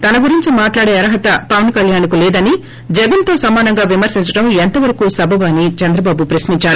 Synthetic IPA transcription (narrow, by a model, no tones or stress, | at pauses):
t̪ɐnɐɡuɾiɲt͡ʃimaːʈlaːɽeːɐɾɐɦɐt̪ɐpɐʋɐnkɐljaːnkulɛːd̪ɐni | d͡ʒɛɡɐnt̪o̞ːsɐmaːnɐŋɡaːʋimɐɾsiɲt͡ʃɐʈɐment̪ɐʋɐɾɐkusɐbʱɐʋaːnit͡ʃɐnd̪ɾɐbaːbupɾɐsniɲt͡ʃaːɽu